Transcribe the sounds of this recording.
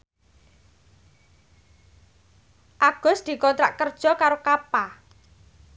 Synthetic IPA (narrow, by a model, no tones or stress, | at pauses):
ʔaɡ̥ɔ̤sd̪̥i̤kɔnt̪ɾaʔkərd̥ʒ̥ɔ̤kaɾokapa